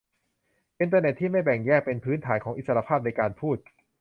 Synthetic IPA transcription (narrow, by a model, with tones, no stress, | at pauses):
ʔi˧nt̪̬aː˧ne˨˩t̪ʰːiː˥˩ma˥˩jbɛ˨˩ŋjɛː˥˩k̚pe˧npʰɯː˦˥nt̪ʰaː˩˦nkʰɔː˩˦ŋi˨˩sa˧a˧pʰaː˥˩p̚na˧jkaː˧npʰuː˥˩t̪̚